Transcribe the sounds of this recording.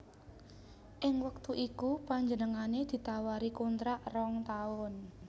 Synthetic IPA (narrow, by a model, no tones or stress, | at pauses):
ʔɪŋwək̚t̪uʔikupaɲd͡ʒənəŋaned̪̥i̤t̪awaɾikunt̪ɾaʔrɔŋt̪aʊn